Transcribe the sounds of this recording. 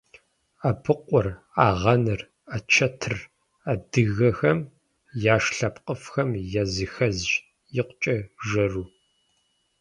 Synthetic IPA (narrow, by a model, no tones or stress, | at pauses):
apʰɨqʷʼɔr | aːʁɐnɨr | at͡ʃʰɐtʰɨr | adɨɣɐxɐm | jaːʂɬɐpqʼəfxɐmjɐzixɐzʒ | jɪqʷt͡ʃʼɐʒɐruː